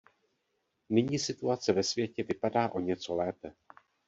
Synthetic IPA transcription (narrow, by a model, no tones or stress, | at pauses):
nɪɲiːsɪt̪uat͡sɛvɛsvjɛcɛvɪpadaːʔo̞ɲɛt͡solɛːpɛ